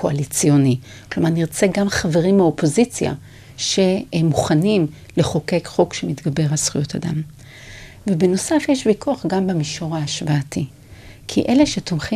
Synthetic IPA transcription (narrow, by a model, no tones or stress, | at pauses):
koalit͡sijoni | klomaʁniʁt͡se̞ɡamχave̞ʁimhao̞po̞zit͡sja̰ | ʃe̞emːuχanim | le̞χo̞ke̞kχo̞kʃemit̪ɡabe̞ʁhasχujota̰dam | vebeno̞safjeʃbikuaχɡambemiʃo̞ʁaːʃvaːti | kʰḭʔe̞le̞ʃe̞tomχi